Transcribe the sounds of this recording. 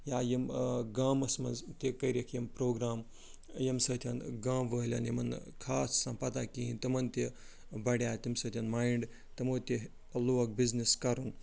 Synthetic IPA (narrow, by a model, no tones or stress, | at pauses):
jaːjimɡaːmɐsmɐ̰nzt̪ekɐjɾekʰjɐmpɾoːɡɾaːm | jimsɐt̪ʰjɐnɡaːmʋəːlʲa̰ːnjimɐnkʰaːsːɐmpɐt̪aːkiint̪ɐmɐnt̪e | bɐɽʲjaːt̪ʲimsɐt̪ʰʲɐnmaːiɳɖ | t̪ɐmoːt̪ʲe | loːk̚bizniskɐɾũn